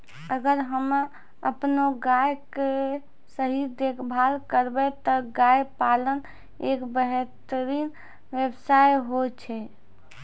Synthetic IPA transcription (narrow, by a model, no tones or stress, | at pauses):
əɡəɾɦəm | əpnoɡajke | səɦid̪ekʰbʱalkəɾbɛt̪ɔɡajpalən | ekbəɦɛt̪əɾiːn | ʋjebsajɦot͡ʃʰɛ